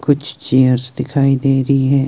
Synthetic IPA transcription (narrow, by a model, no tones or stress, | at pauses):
kʊt͡ʃʰt͡ʃejəɾzd̪ɪkʰaːid̪eːɾɐɦiɦɛ̃ː